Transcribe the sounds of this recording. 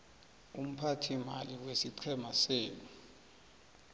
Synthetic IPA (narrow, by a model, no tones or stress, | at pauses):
um̩pʰatʰimaliwesiǀʰɛmaseːnu